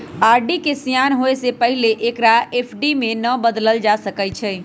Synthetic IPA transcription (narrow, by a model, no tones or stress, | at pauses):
aɾɖikesijanɦoesepəɦileʔekɾaepʰɖimenəbəd̪ləld͡ʒasəkɛt͡ʃʰɛ